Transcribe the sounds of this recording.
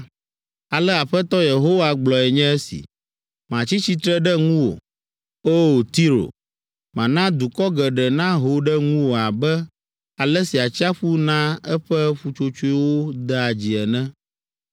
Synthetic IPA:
a˨lɛ˦a˨ɸɛ˦t̪ɔ˦je˨ɦo˦wa˦ɡ͡blɔ˨ɛ˨ɲɛ̃˦ɛ˦sḭ˨ | mã˨t͡ɕi˦t͡ɕi˦t̪ɾɛ˦ɖɛ˦ŋũ˦wo̰˨ | o˦˨t̪i˦ɾo̰˨ | mã˨nã˦d̪u˨kɔ˦ɡɛ˨ɖɛ˨nã˦ɦo˨ɖɛ˦ŋũ˦wo˨a˨bɛ˦ | a˨lɛ˦si˨a˨t͡ɕi˦a˦ɸu˦nã˦ɛ˦ɸɛ˦ɸu˨t͡ʃo˦t͡ʃo˦i˦wo˦d̪ɛ˦a˨d͡ʑi˨ɛ˨nɛ̃˦

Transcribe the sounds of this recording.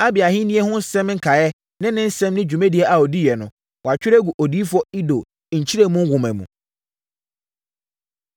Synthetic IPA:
a˦bɪ˨a˨ɦɪ̃˦nĩ˦ɛ˦hʊ̃˦n̩˦sɛ̃˦m˦ŋ̩˦kʰa˨jɛ˦ | nɪ̃˦nɪ̃˦n̩˦sɛ̃˦mnɪ̃˦d͡ʑᶣu˨mɛ̃˦di˨ɛ˨ʔa˨ɔ˨di˦jɛ˨nʊ̃˨ | wɔ˨a˨t͡ɕᶣɪ˦ɾɛ˦ɡu˨ʔɔ˨diː˦fʊ˦ɔ˦i˦do˨ | ɲ̩˨t͡ɕʰi˦ɾe˦˨mũ˦ŋ˦wʊ̃˨mæ̃˨mṵ̃˨

